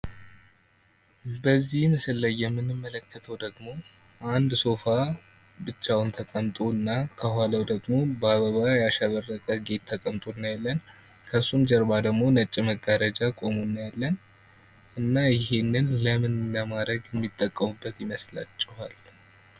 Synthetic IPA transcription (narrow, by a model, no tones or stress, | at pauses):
bəzːihmɨsɨlːəjːɛmːɨnɨmːələkːət̪ʰəwd̪əɡmo̞ | ʔand̪so̞fa | bɨt͡ʃːawnt̪ʰəkʼəmt̪ʼoɨnːakʰəɦwaləwd̪əɡmo̞bəaβəβajaʃaβəɾːəkʼəɡe̞t̪ʰːəkʼəmt̪ʼonːajalːən | kʰəsːumd͡ʒəɾbad̪əɡmo̞nət͡ʃʼːiməɡːəɾəd͡ʒakʼo̞munːajalːən | ʔɨnːajɪɦe̞nːɨnləmɨnləmad̪əɡjɛmːit̪ʼːəkʼːəmubːət̪jɪməsla̰t͡ʃʼːɪhal